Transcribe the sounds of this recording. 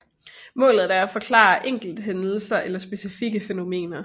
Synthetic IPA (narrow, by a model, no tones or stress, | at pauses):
mɔ̰̽ːlð̩ˠæɐæfɒ̽kʰlɑ̰̈ːʔeŋ̰ɡ̥l̩d̥ɦen̩sɐʔelɐsb̥e̝sifiɡ̥əfeno̝me̝̰ːnɐ